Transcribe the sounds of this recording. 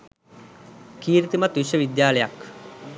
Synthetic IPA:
kiːɾit̪imat̪ʋuʃəʋid̪jaːlejak

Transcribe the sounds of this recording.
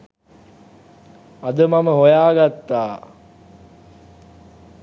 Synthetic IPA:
ɐd̪əmaməɦojaːɡat̪ːaː

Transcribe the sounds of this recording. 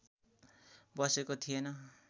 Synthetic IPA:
bʌsekot̪ʰijenʌ

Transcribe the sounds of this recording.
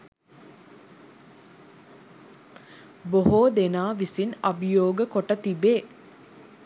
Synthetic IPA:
boɦoːd̪enaːʋisinɐbjoːɡəkoʈət̪ibeː

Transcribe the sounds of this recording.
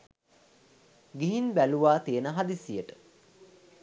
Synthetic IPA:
ɡiɦinbæluʋaːt̪iənəɦad̪isijəʈə̥

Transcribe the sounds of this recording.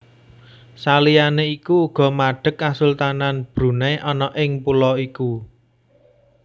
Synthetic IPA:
salijaneikuːɡ̥ɔ̤maɖ̥ə̤kːasult̪ananb̥ɾṳneʔɔnɔʔɪŋpulɔiku

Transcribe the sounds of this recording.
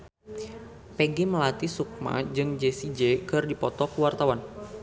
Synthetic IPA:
peɡiməlat̪isuk̚ma̰d͡ʒɨŋd͡ʒesid͡ʒekɨrdipɔt̪ɔkuwart̪awan

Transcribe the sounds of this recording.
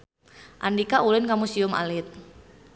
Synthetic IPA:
ʔandikaʔulɪnkamusiʊma̰lɪt̪̚

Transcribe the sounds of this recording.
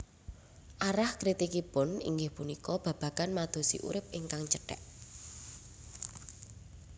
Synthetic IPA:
ʔaɾahkɾit̪ikipʊnḭŋɡɪhpunikɔb̥ä̤b̥ä̤kanmad̪̥o̤sḭʔṵɾɪp̚ɪŋkaŋt͡ʃəɖ̥ɛ̰ʔ

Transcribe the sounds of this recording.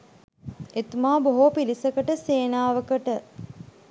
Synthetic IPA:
et̪umaːboɦopilisɐkəʈəseːnaːʋɐkəʈə

